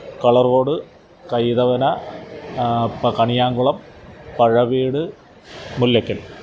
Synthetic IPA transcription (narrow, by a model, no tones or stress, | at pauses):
kɐɭɐrʋo̞ːɽɨ | kɐjðɐʋɐnɐ | ɐkɐɳijaːŋɡuɭɐm | pɐɻɐʋiːɽɨ | mulːɐkːɐl